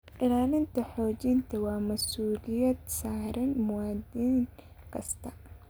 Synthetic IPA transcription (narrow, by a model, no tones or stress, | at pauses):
ʔɪlaːlɪnt̪ʰɐħɔːt͡ʃɪnt̪ʰɐwɑːmɐsuːlɪjɐd̪saːɾɐnmʊwaːd̪iːŋ | kʰɐst̪ʰɐ